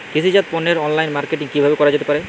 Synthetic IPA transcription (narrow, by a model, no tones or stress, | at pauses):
kit͡ɕʰid͡ʑat̪̚pɔnːeɾɔnlajnmaɾkeʈiŋkibʱabekɔɾad͡ʑet̪epaɾe